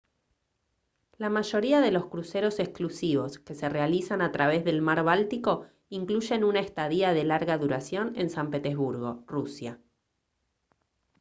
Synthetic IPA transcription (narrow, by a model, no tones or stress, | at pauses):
lamaʒo̞ɾiaðe̞lo̞skɾuse̞ɾo̞se̞kklusiβo̞ske̞se̞re̞alisanat̪ɾaβ̞e̞zðe̞lmaɾβalt̪iko̞ | iŋkluʒe̞nunaest̪aðiaðe̞laɾɣaðuɾasjo̞ne̞nsampe̞t̪ezβuɾɣo̞rusja